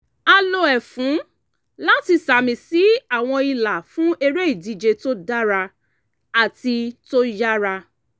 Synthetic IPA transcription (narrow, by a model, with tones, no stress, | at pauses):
a˧lo˧ɛ˨fũ˨˦ | la˦ti˧sa˨mĩ˧si˨˦a˨w̃ɔ̃˧i˧la˨fũ˦e˧ɾe˦i˦˨di˧d͡ʒe˧to˦da˦ɾa˧ | a˨ti˧to˦ja˦ɾa˧